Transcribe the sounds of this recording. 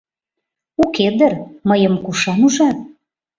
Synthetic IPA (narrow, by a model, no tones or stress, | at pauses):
uked̪ərməjəmkuʃɑnuʒɑ